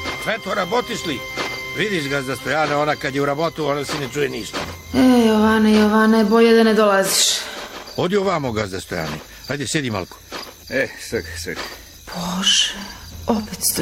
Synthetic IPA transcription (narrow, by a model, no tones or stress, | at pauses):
sʋet̪oɾabot̪isliʋid̪iʃɡazd̪ast̪ojaːneonakad̪jeuɾabot̪uonasinet͡ʃujeniːʃt̪a | ejoʋanejoʋanaboʎed̪aned̪olaziʃ | od̪ioʋamoɡazd̪ast̪oja̰ːnḛ | ajd̪esjed̪ima̰lko̥ | esəxsə̰x | b̥oʒeopet̪s